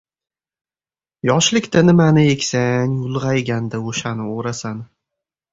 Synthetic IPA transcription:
jɒʃlɪkʲt̪anɪmanɪekʲsaŋjʊlˠʁɑjɡʲand̪aoʃanɪoɾasan

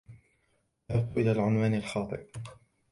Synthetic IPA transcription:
ʔaθʊqːʔɪlaːlʕʊnwaːnalxɑːt̪ˤɨ̰ʔ

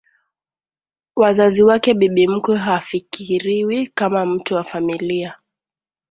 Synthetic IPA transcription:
wazaziwakɛɓiɓim̩kwɛɦafikiɾiwikamam̩tuwafamilia

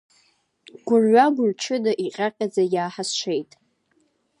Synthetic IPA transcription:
ɡ̥ʷʊrɥʷaɡʷʊrʈ͡ʂʰɨdaʔiqʲʼaqʲʼad͡zajaːħasʃʷejtʼ

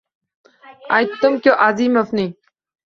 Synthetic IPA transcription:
a̰jt̪umkʲjoʔaziːmɐfni

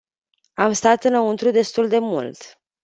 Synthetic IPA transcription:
amst̪at̪ɨnəunt̪ɾud̪e̞st̪uld̪e̞mṵlt̪

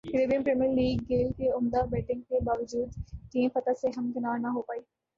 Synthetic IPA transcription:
kɾeːbiənpɾeːmijəɾliːɡːeːlkeʊmd̪abɛːʈɪ̃ŋɡ̚kebaːʋəd͡ʒuːd̪ʈĩːmfɐt̪aseɦɐmkɪnaːɾnaɦopaːiː

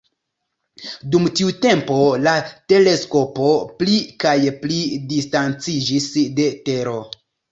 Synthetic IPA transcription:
dumtiute̞mpo̞late̞le̞sko̞po̞plikajplidistant͡sid͡ʒisde̞te̞ɾo̞

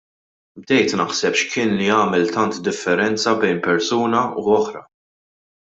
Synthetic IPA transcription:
b̚d̪ɛjt̪nɐħsɛpʃkʰɪːnliɐːmɛlt̪ɐnt̪d̪ɪfːɛɾɛnt͡sɐbɛjnpɛɾsuːnɐuɔħɾɐ

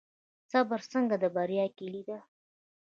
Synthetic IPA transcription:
t͡sɑbəɾsəŋɡad̪əbaɾjɑkelid̪a

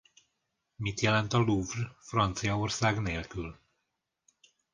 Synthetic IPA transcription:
mit̪jɛlɛnt̪ɒluvrfrɒnt̪sijɒorsaːɡneːlkyl

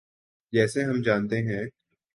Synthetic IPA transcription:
d͡ʒɛːseɦɐmd͡ʒaːnt̪eɦɛ̃ː

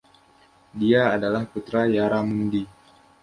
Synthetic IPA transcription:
diaːdalahput̪ɾajaɾamundi

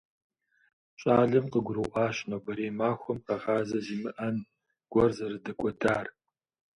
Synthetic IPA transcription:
ɕʼaːɮɨmqəɡʷʊrɨwʔɑːʃnɐwbɐɾeːmaːxʷɔmqɐʁaːzɐziːmɨʔɐn | ɡ̥ʷɔrzɐrɨdɐkʷʼɔdaːr

